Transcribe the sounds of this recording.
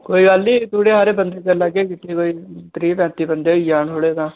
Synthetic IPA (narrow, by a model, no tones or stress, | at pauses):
koːiːɡəlːiːt̪uːɽeːɦaːɾeːbənd̪eːkələɡːeːkiːt̪ekoːiːt̪ɾiːpɛ̃ːt̪iːbənd̪eːiːd͡ʒaːɳɦoːɽeːt̪ãː